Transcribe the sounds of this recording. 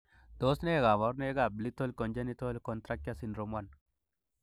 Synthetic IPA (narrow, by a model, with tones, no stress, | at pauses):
d̪̥o˦sne˦˨ɡa˨ma˨˦ɾne˦ɡa˨bli˦t̪o˦lko˨nd͡ʒe˦ni˦t̪o˦lko˨nt̪ɾa˦k̚ja˦si˨nɾo˨mwa˨n